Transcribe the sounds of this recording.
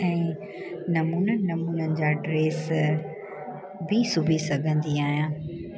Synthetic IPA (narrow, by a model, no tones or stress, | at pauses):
ɛ̃ː | nɐmuːnənɪ̆nɐmuːnənɪ̆d͡ʑaːɖɾeːs | bisʊbʱisɐɡʱə̃nd̪iaːɦijãː